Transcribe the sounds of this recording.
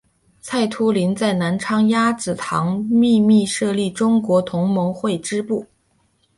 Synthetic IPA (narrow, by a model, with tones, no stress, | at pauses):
t͡sʰa˥˩ɪt̪ʰu˥li˧˥nt͡sa˥˩ɪna˧˥nʈ͡ʂʰɑ˥ŋja˥t͡sɹ̩˨˩t̪ʰɑ˧˥ŋmi˥˧mi˥˧ʂɤ˥˧li˥˩ʈ͡ʂʊ˥ŋkwɔ˧˥t̪ʰʊ˧˥ŋmɤ˧˥ŋxwe˥˩ɪʈ͡ʂɻ̩˥pu˥˩